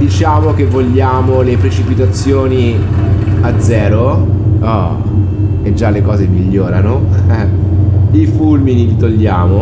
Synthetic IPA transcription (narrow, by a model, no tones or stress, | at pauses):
d̪it͡ʃaːmok̟evːoʎːaːmolepɾet͡ʃipit̪at̪sːjoːni | ad̪zːɛːɾoɔ | ed͡ʒːalːekɔːzemiʎːoːɾano | ifulminilit̪oʎːaːmo